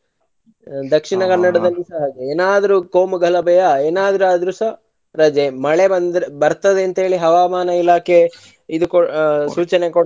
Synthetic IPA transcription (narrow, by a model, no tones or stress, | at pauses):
d̪ɐkʂiɳɐkɐnːɐɽɐd̪ɐlːisɐɦɐd͡ʒeeːnaːd̪ɐɾukoːmuɡʱɐlɐbɛjɐeːnaːd̪ɐɾuad̪ɾusɐ | ɾɐd͡ʒemɐɭebɐnd̪bɐɾt̪ɐd̪eɐnt̪ɐɦeːɭiɦɐʋaːmaːnɐilaːkʰe | id̪ukosuːt͡ʃɐnekoɽ